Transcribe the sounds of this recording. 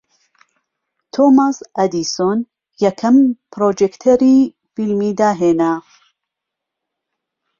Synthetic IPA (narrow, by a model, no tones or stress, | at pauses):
t̪ʰomasɐd̪ison | jɐkʰɐmpɾoːd͡ʒekt̪ʰeɾiː | filmiːd̪aːɦeːna